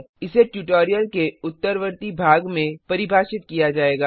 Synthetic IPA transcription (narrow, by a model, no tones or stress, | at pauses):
ɪseʈjuʈoːɾijəlkeʊt̪ːəɾʋəɾt̪ibʱaːɡmẽpɐɾɪbʱaːʃɪt̪̚kijad͡ʒaːeːɡaː